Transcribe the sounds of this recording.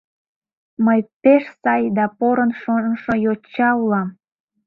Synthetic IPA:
məjpeʃsɑjd̪ɑpoɾənʃonʃojot͡ɕːɑulɑm

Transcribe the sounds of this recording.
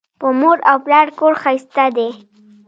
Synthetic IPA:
pəmoɾawplɑɽkoɽxajst̪ad̪e

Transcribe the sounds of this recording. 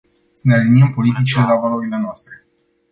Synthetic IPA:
sənealiniəmpo̞lit̪it͡ʃile̞lavaluɾilenoast̪ɾe̞

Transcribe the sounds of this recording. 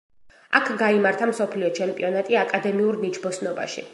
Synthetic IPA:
a̰kʰɡaimaɾt̪ʰamsɔpʰliɔt͡ʃʰɛmpʼḭɔnat̪ʼiakʼad̪ɛmiuɾnit͡ʃʰbɔsnɔba̰ʃḭ

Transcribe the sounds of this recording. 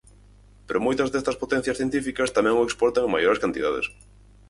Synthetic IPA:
peɾomojt̪ɐzðɛst̪ɐspot̪ɛn̟θjɐsθjent̪ifikɐst̪amɛ̃ŋoekspɔɾt̪ɐŋmajoɾeskant̪iðaðḛs

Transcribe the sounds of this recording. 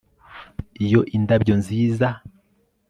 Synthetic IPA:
ijo̞ʔindabɟo̞nziːza

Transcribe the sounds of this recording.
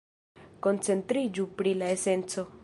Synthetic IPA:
kont͡se̞nt̪ɾid͡ʒupɾilaese̞nt͡so̞

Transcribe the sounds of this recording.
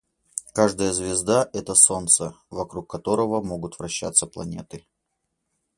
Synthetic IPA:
kaʐd̪əjəzvʲɪzd̪aʔɛt̪əso̞nt̪səvɐkɾukːɐt̪o̞ɾəvəmoɡʊt̪vɾɐɕːa̰t̪sːəplˠɐnʲe̞t̪ɨ

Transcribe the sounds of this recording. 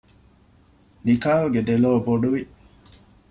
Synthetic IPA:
nikaːluɡed̪eloːboɖuʋi

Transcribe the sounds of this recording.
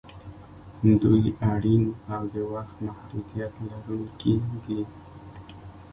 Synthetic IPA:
d̪ujaɽinawd̪əwaxt̪mahɾud̪ijat̪laɾunkeɡi

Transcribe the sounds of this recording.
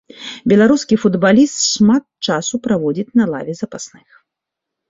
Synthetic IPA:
bʲɛlˠaɾuskʲifud̪balʲist̪ʂmat̪t͡ʂasupɾavɔd͡zʲit͡sʲnɐlˠa̰vʲɛzɐpasnɨx

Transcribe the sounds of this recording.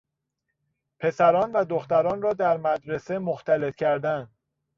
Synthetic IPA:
pʰe̞sæɾɒːnvæd̪oxt̪æɾɒːnrɒːd̪æɾmæd̪ɾe̞se̞moxt̪ʰæle̞t̪cʰæɾd̪ænd̪

